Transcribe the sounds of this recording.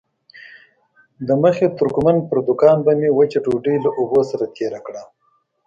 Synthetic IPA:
d̪əməxet̪ʊɾkmanpəɾd̪ʊkɑnbamewat͡ʃeʈuɖəjlaʔʊbosaɾat̪ʰeɾakɽa

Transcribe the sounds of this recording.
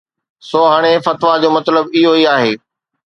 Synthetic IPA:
soːɦaːɽ̃efɐt̪ʋad͡ʑoːmɐt̪ləbɪɦoiaːɦeː

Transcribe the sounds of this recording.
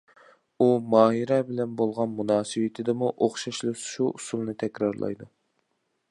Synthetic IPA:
umɑːɦiɾɛbɪlɛnbolˠʁɑnmunɑːsɨwɪt̪ʰɪd̪ɪmuʔoχʃɑʃlˠɨʃuʔusulˠnɨt̪ʰɛkʲɾɑɾlˠʔɑ̰jd̪u

